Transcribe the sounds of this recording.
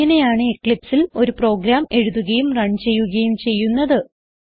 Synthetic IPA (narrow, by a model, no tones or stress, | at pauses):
ɐnejaːɳɨekːɭipsilo̞ɾupro̞ːɡɾaːme̞ɻuðuɣɐjumrɐɳt͡ɕe̞jːuɣɐjumt͡ɕe̞jːunːɐðɨ